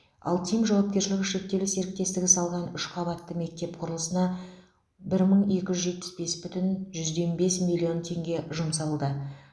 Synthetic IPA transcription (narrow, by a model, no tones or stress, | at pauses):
ɑ̰lˠt̪ʰijmʒɑwɑp̚kʲe̞ɾʃɪlɪɡʲɪʃe̞k̚t̪ːe̞lɪse̞ɾɪk̚t̪e̞st̪ɪɡʲɪsɑlˠʁɑnʏʃqʰɑbɑt̪ːəme̞k̚t̪e̞p̚qʰʊɾəlˠəsənɑ | bɪɾməɴe̞kʲɪʒʏzʒet̪pɪ̥sbe̞sbʏt̪ɪnʒʏzd̪e̞mbe̞smilʲːio̞nt̪ʰe̞ŋɡʲe̞ʒʊmsɑlˠd̪ə